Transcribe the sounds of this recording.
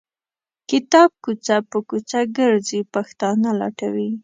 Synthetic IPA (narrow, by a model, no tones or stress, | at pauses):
kɪt̪ɑb̚kut͡sapəkut͡saɡəɾzipaxt̪ɑnalɑ̰ʈawi